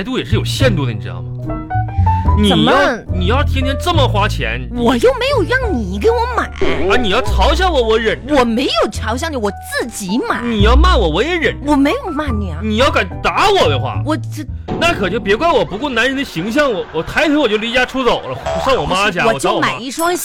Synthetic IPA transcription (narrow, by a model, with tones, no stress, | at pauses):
a˧˥ɪt̪u˥˩jɛ˨˩ʂɻ̩˥˩jo˨˩ʊɕjɛ˥˧nt̪u˥˩ə˩ni˨˩ɻ̩˧˥ɑ̰˥˩ʊmɐ˩ | ni˧˩jɑ˥˩ʊni˨˩jɑ˥˩ʊt̪ʰjɛ˥nt̪ʰjɛ˥nʈ͡ʂə˥˩mə˨˩xwa˥t͡ɕʰjɛ̰˧˥nwɔ˨˩jo˥˩ʊme˧˥ɪjo˨˩ʊɻɑ˥˩ŋni˨˩˥k̬e˧˥ɪwɔ˧˥ma˨˩˦ə˧˥ni˨˩jɑ˥˩ʊt͡sʰɑ˧˥ʊɕ̬jɑ˥˩nwɔ˧˥wɔ˧˥ɻə˨˩nwɔ˨˩me˧˥ɪjo˨˩ʊʈ͡ʂʰjɑ˧˥ʊɕ̬jɑ˥˧ŋnə˨˩wɔ˨˩t͡sɹ̩˥˩t͡ɕi˧˥ma˨˩˦ni˨˩jɑ˥˧ʊma˥˩nwɔ˨˩wɔ˧˥jɛ˧˥ɻə˨˩nwwɔ˨˩me˧˥ɪjo˨˩ʊma˥˩nni˨˩ɐ˧ni˨˩jɑ˥˩ʊka˨˩ɪt̪a˧˥wɔ˨˩d̪ə˦xwa̰˥˩wɔ˨˩˥na˥˩kʰɤ˨˩i˥˩ŋpjɛ˧˥kwa˥nwɔ˨˩pu˧˥kwɔ˥˩na˧˥nɻə˧˥nd̪ə˧ɕi˧˥ŋɕ̬jɑ˥˩ŋwɔ˨˩˦wɔ˨˩t̪ʰa˧˥ɪt̪ʰjɛ˥nwɔ˨˩t͡ɕjo˥˩li˧˥t͡ɕja˧˥ʈ͡ʂʰu˥t͡so˨˩ʊlə̰˦ʂjɑ˥˩ŋwɔ˨˩ma˥˧t͡ɕʰja˧˥ɔ˨˩t͡ɕwɔma˨˩˧i˥˩ʂwɑ˥ŋ